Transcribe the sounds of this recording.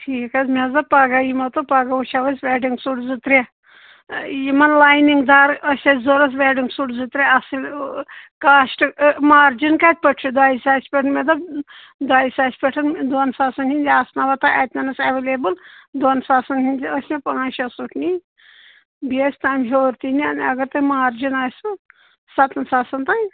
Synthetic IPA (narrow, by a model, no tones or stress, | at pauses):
ʈʰiːkɐzmʲezɐpaːɡajimɐt̪opaːɡaut͡ʃʰʲaʋɐsʲʋʲɛːɖiŋɡsuʈzɨt̪ɾʲe | jimɐnlaːjniŋɡd̪aːɾɐsʲɐtʲzoɾɐs̬ʋʲeːɖiŋɡsuʈzɨt̪ɾʲeɐsilʲ | kaːʃʈmaːɾd͡ʒinkaːt̪̚ʲpɐʈʰid̪aːisʲaːsʲpʲeʈʰɐnmʲed̪ɐ | d̪aːisʲaːsʲpʲeʈʰɐnd̪onsaːsɐnhinʲd̪ʲiaːsnɐʋɐt̪aʔɛt̪ʲnʲɐnɐsɐʋeleːbɨld̪ɐnsaːsɐnɦinʲd̪ʲiɐsʲmʲepɐnaːʃʲɐsuʈʰni | biɐsʲt̪aːjmɦoːɾt̪iniɐ̰nɐɡɐɾt̪ɐmaːɾd͡ʒinaːsɨ | sɐt̪ɐnsaːsɐnt̪aːj